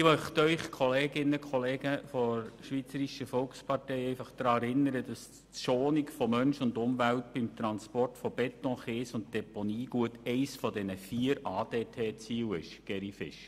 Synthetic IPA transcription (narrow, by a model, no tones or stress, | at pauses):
ɪmœχt̪œʏχkʰɔleːɡɪnːəkχɔleːɡəfɔɾʃʋiːt͡səɾiʃəfɔlkspɑrtɛɪɛɪfɑχd̥̪ɾɑːɛɾɪnːəɾəd̥ɑs | ʃoːnikfɔmœnʃʊndʊmʋæltb̥ɪmt̪ɾɑnspɔrtfɔb̥ɛt̪ɔ̃χeːsʊnt̚d̥ɛponiːɡ̥uətɛɪsfɔdɛnəfiːəɾɑːdeːtʰeːt͡siːwɪʃɡ̥ɛɾifɪ̰ʃ